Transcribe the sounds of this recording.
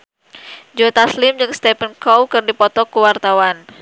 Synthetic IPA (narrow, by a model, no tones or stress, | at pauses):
d͡ʒɔt̪aslɪmd͡ʒɨŋst̪ɛpənkɔwkɨrdipɔt̪ɔkuwart̪awan